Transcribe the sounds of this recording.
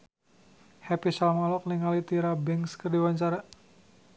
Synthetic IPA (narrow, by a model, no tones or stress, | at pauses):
hɛpisalmalɔk̚niŋalit̪iɾabɛŋskərdiwaɲt͡ʃaɾa